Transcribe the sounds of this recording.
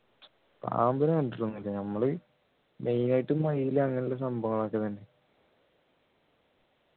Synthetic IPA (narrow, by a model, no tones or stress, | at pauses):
pa̰ːmbɐneɐɳɖirunːilːɐnɐmːɐɭɨ | mʔe̞jnajiʈːumːɐjijilɐŋːɐniles̬ɐmbʱɐŋɐɭaːkːɐt̪ɐnːe